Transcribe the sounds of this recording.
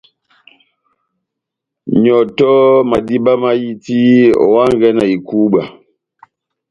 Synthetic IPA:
ɲɔ˨tɔ˦ma˨di˦ba˦ma˦ji˦ti˦ɔ̰˨wa˦ŋ˦ɡɛ˦na˨i˨ku˦ɓwa˨

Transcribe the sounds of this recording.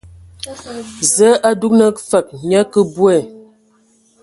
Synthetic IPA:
zə˨˦ʔa˦du˦k̚nə˦fə˨p̚ɲə˦kə˦bwɛ˦˨

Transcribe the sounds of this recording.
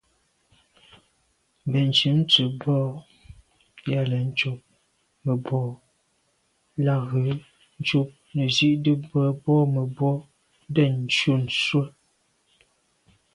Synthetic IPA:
bə˨n˨t͡ʃi˨˦m˦t͡sə˨bɔ˦ | ja˦˨lə˨˦n̩˦t͡ʃu˦p̚ | mə˨bɔ˨ | la˦ɣə˨˦ | n̩˦t͡ʃu˦p̚ | nə˨zi˦ʔdə˦bə˦bɔː˦mə˨bɔ˦ | dɛ˦˨n˨t͡ʃu˦˨n̩˨swə˦˨

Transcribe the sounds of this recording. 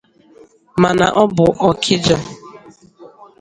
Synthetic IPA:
ma˨na̰˨ʔɔ˦bʊ˨ʔɔ˨kʰɪ˦d͡ʒɔ˦

